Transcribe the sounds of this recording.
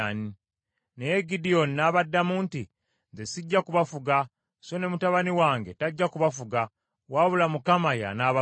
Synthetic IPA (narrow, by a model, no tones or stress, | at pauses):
ni | nejeɡidionːaːβadːamuːnti | nzesiɟːakuβafuɡa | so̞ne̞mutaβaniwaːŋɡe̞taɟːakuβafuɡa | waːβulamukamaja̰naːβa